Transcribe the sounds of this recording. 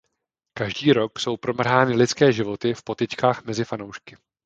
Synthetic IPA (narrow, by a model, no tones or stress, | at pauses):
kaʒdiːɾo̞kso̞wpɾo̞mr̩ɦaːnɪlɪt͡skɛːʒɪvo̞t̪ɪfpo̞t̪ɪt͡ʃkaːxmɛzɪfanowʃkɪ